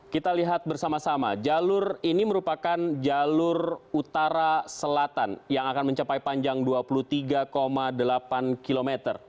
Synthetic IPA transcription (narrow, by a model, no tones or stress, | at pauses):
kit̪aliɦat̪̚bərsamasama̰d͡ʒalʊriniməɾupakand͡ʒalʊrut̪aɾasəlat̪anjaŋakanməɲt͡ʃapajpaɲd͡ʒaŋduapulut̪iɡakomadəlapankilomet̪ər